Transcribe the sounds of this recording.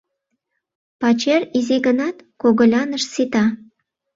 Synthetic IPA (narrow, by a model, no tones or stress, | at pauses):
pɑt͡ɕeriziɣənɑt̪koɣə̆lʲɑnəʃsit̪ɑ